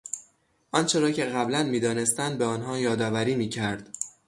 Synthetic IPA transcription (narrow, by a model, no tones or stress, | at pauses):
ʔɒnt͡ʃʰe̞ɾɒːcʰe̞ɣæblænmiːd̪ɒːne̞st̪ænd̪̚beɒːnɦɒːjɒːd̪ɒːvæɾiːmiːcʰæɾd̪̥